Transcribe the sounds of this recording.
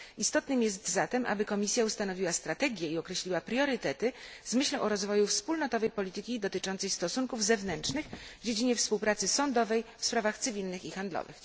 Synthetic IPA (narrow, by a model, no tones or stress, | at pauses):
ist̪ɔt̪nɘmjɛst̪zat̪ɛmʔa̰bɘkɔmʲisʲjaust̪anɔvʲiwast̪ɾat̪ɛɡʲjɛiɔkɾɛɕlʲiwapɾjɔɾɘt̪ɛt̪ɘzmɘɕlɛ̃w̃ʔɔɾɔzvɔjufspulnɔt̪ɔvɛjpɔlʲit̪ɘkʲid̪ɔt̪ɘt͡ʂɔnt̪sɛjst̪ɔsuŋkuvzɛvnɛntʂnɘxvd͡ʑed͡ʑiɲɛfspuwpɾat̪sɘsɔnd̪ɔvɛjfspɾavaxt̪sɘvʲilnɘxixand̪lɔ̰vɘ̰x